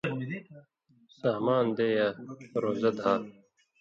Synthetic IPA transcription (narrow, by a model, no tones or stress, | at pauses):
saːmaːnd̪eːjaːɾoːzɐd̪ɦaː